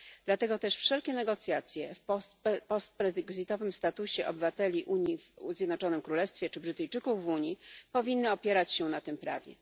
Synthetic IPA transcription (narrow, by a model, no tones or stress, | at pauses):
d̪lat̪ɛɡɔt̪ɛʂfʂɛlkʲɛnɛɡɔt̪sʲjat̪sʲjɛfpɔst̪̚pɛɡzɨt̪ɔvɘmst̪at̪uɕɛʔɔbɘvat̪ɛlʲiʔuɲivzʲjɛd̪nɔt͡ʂɔnɘmkɾulɛst̪fʲjɛt͡ʂɘbɾɘt̪ɘjt͡ʂɘkuvːuɲipɔvʲinːɘɔpʲjɛɾat͡ɕɕɛnat̪ɘmpɾa̰vʲjɛ̰